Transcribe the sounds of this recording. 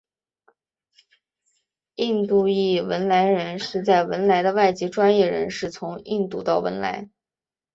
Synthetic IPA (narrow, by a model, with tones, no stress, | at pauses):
i˥˧nt̪u˥˧i˥˩wə˧˥nla˧˥ɪɻə˧˥nʂɻ̩˥˧t͡sa˥˩ɪwə˧˥nla˧˥ɪd̪ə˧wa˥˩ɪt͡ɕi˧˥ʈ͡ʂwa˥njɛ˥˩ɻə̰˧˥nʂɻ̩˥˩t͡sʰʊ˧˥ŋi˥˧nt̪u˥˧t̪ɑ˥˩ʊwə̰˧˥nla̰˧˥ɪ